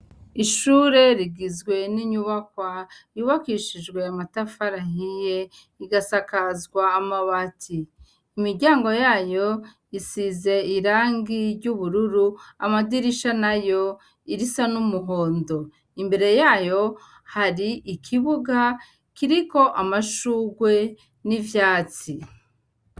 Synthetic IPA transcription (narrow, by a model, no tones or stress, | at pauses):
iʃuːɾe̞ɾiɡizɡwe̞niɲuβakwajuβakiʃid͡ʒɡwe̞amatafaɾahije | iɡasakazɡwaːmaβatʰiː | miɾɟaːŋɡo̞jaːjo̞ | isize̞iɾaːŋɡiɾɟuβuɾuɾuamadiɾiʃanajo̞ | iɾisanumuɦo̞ːndo̞ | imbe̞ɾe̞jaːjo̞ | haɾiʔikʰiβuɡa | kiɾiko̞ʔamaʃuːɡwe̞ | nivjaːt͡si